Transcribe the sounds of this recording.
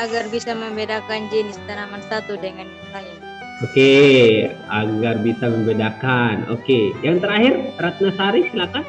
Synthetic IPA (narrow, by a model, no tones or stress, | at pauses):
aɡarbisaməmbedakand͡ʒilist̪anamansat̪udəŋankəsala | oke | aɡarbisaməmbedakano̰kejaŋt̪əɾaɦɪrɾat̪̚nasaɾisilat̪a